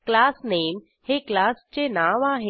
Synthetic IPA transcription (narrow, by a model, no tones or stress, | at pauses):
klasneːm | heklast͡ɕenaʋaɦe